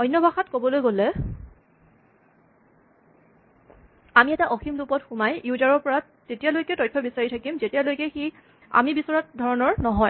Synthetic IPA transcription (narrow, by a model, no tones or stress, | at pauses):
ɔjnːɔbʱaxatkobɔlojɡolɛ | amiɛtaʔɔximlupɔtxumajjudaɹɔɹpɔɹat | tetijalojkɛtɔjtʰːɔbisaɹitʰakimzetijalojkɛxi | a̰mibisɔɹat̚dʱɔɹɔnɔɹnɔɦɔj